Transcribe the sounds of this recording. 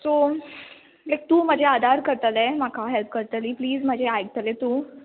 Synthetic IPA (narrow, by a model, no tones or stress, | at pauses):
so | lajk̚t̪ũːm̤əd͡ʑʱead̪ʱaɾkəɾt̪əlem̤akʰaɦelp̚kəɾt̪əliːpliːd͡zm̤əd͡ʑʱeajɡ̚t̪əlet̪uː